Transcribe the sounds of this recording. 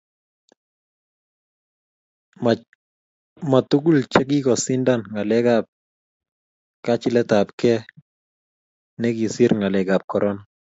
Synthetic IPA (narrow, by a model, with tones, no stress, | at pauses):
ma˨tu˦ɡu˦lt͡ʃɛ˦ɡ̬i˦kɔ˨si˦nda˦nŋa˨lɛ˦ɡa˦p̚ | ka˦t͡ʃɪ˦lɛ˦ta˨pkɛ˦ | nɛ˦ɡi˨si˦ɾŋa˨lɛ˨ɡa˨p̚kɔ˨ɾʔɔ˦na˨